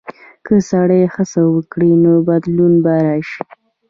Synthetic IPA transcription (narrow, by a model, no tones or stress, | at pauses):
kəsaɽəjexəsawəkɽinobad̪lunbaɾaʃi̥